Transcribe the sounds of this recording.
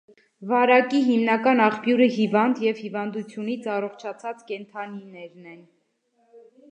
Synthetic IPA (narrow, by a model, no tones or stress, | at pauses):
vɑɾɑkiɦimnɑkɑnɑχpjuɾəɦivɑnd̪jɛv̥hivɑnd̪ut͡sʰjunit͡sʰɑrɔχt͡ʃʰɑt͡sʰɑt͡skɛnt̪ʰɑninɛɾnɛn